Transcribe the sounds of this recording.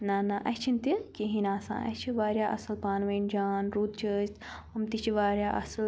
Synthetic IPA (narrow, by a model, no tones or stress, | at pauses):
nanaʔɐ̰t͡ʃʰint̪ikiɦinãːsã̰ːʔɐ̰t͡ʃʰiʋaːɾjaːʔɐsɨlpaːnʋɐnd͡ʒaːnɾuːt̪̚t͡ʃʰəːst̪ɐmt̪it͡ʃʰiʋaːɾjaːʔɐ̰sl